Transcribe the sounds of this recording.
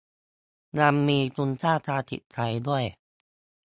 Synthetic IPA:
na˧mːiː˧t̪u˧nt̪ʰaː˥˩t̪ʰaː˧t̪ʰḭ˨˩t̪̚tʰːa˧jdu˥˩əj

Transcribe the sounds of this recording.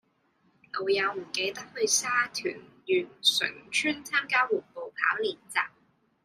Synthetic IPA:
ŋo˨˧wjɐ˨˧wm̩˨˩ke˨˧jt̪ɐ˥k̚hɵ˧ɥsaː˥t̪ʰy̰ː˨˩n | jyː˨˩nsɵ̰˨˩ŋt͡ʃʰyː˥nt͡sʰaː˥mkaː˥wwuː˨˩npo˨wpʰa̰ː˨˥wliː˨˩nt͡sa̰ː˨˩p̚

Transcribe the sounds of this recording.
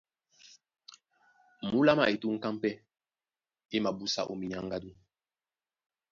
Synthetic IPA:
mu˦la˦ma˨e˨tu˦ŋ̩˦ka˦m˦pɛ˦ | e˦ma˨bu˦sa̰˦˨ʔo˨mi˨ɲa˨˦ŋɡa˦du˦

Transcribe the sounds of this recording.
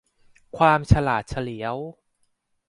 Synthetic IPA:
kʰwaː˧mt͡ɕʰa˧laː˨˩t̪̚t͡ɕʰa˧li˩˦əw

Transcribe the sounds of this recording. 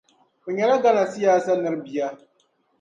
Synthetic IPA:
ʊ˨ɲɛ˨la˦ɡa˦na˨sɪ˦jaː˦sa˦nɨ˦ɾbi˨ja˦

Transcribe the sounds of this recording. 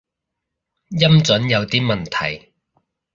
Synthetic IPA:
jɐ˥mt͡sɵ˨˥njɐ˨˧wt̪iː˥mɐ˨nt̪ʰɐ˨˩j

